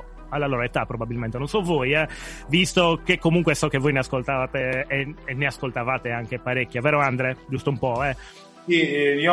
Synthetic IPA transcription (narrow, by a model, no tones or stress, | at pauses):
alːalɔːɾoet̪apːɾobabilment̪enonsɔvojɛvist̪okekːomuŋk̬wesɔkːevojneaskolt̪avaːt̪eː | nːeaskolt̪avaːt̪eaŋk̟epaɾekːjavɛːɾoand̪ɾed͡ʒust̪oumpɔɛ | simi